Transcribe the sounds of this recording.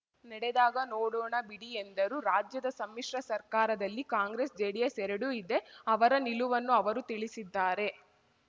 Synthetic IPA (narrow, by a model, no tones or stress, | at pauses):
nɐɽed̪aːɡɐnoːɽoːɳɐbiɽiend̪ɐɾuɾaːd͡ʒjɐd̪ɐsɐmːiʂɾɐsɐɾkaːɾɐd̪ɐlːikaːŋɡɾeːsd͡ʒeːɽijɐsɛɾɐɽuid̪e̞ɐʋɐɾɐniluʋɐnːuɐʋɐɾut̪iɭisid̪ːaːɾe̞